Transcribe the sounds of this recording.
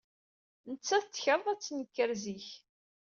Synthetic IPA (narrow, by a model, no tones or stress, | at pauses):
nət͡sːæθət͡s̪ːçəɾˤðˤæt͡sːnəkːəɾziç